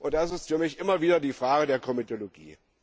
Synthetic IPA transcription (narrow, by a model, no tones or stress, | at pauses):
ʔʊnt̚d̥as̬ɪstfyːɐmɪçʔɪmɐviːdɐdiːfʁ̥aːɡədeːɐkʰɔmitʰoloɡḭː